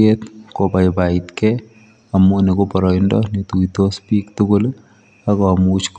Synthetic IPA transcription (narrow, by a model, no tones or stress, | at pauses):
et̪kopajpait̪kɛ | amunekopɔɾɔindɔ̰nit̪uit̪ospiːkt̪ʊkʊl | akɔmut͡ʃk